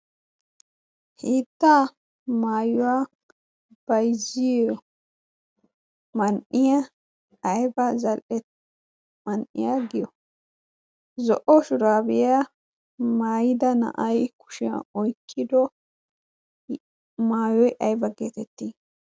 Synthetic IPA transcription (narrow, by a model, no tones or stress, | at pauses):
hiːt̪ːaː | maːjʊwaː | b̥ɐjzɪjɔ | mɐnʔɪjɐ | ɐjbɐzɐlʔɛ | mɐnʔɪ̰jaɡɪjɔ | zɔʔɔʃʊɾaːbɪja | maːjɪd̪ɐnɐ̰ʔɐjkʊ̥ʃɪɐ̰ɔjkʰːɪd̪ɔ | maːjɔjʔɐjbɐɡeːt̪ɛt̪ːi